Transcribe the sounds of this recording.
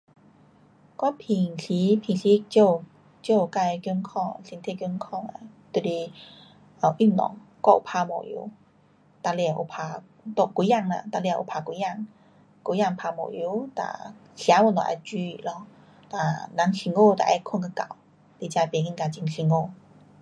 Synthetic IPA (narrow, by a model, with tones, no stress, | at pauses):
kwa˦˥˦pʰi˧˩ŋɕi˨˦pʰi˧˨ŋɕi˧˦˧t͡ɕo˥˧ | t͡ɕjo˧˨ka˧˨˧kju˧˦nkʰɔ˥˩˨ŋ˨ɕi˧˩nt̪ʰe˥˧˨kʲju˧˥˦nkʰɔ˥˧˨ŋa̰˧˨ | t̪u˧˨le˧˩ | ə˨˩ʔy˥˩˨nnɔ̰˨˧˨ŋkwa˥˧˨ʔṵ˨˩pʰa˧mɔ̰˧˨jṵ˧˦ | t̪a˧le˧˨ʔo̰˧˩pʰa˧ | t̪ɔ˧˨ku˧˦ja˥˧˨ŋla̰˧˨t̪a˧le˧a˧˨ʔo̰˨˩pʰa˧˩kwu˧˦ja˥˧˨ŋ | ku˧˦ja˥˧˨ŋpʰa˧mɔ̰˧˨ju˧˦t̪a̰˧˩ɕja˨˧˦wu˧˨nt̪ɔ̰˨˧˨a̰˧˩t͡ɕi˧ḭ˧˨lɔ˧˨ | t̪a˧˩na˨˦ŋɕi˧ŋo˥˧t̪a̰˨ʔɛ˧˦kʰu˥˧nka˧ka̰˧˨w | t̪e˧˨t͡ɕa˧pe˧˨ŋi˧˥˨nka˧t͡ɕi˧ŋɕi˧ŋo˥˧˨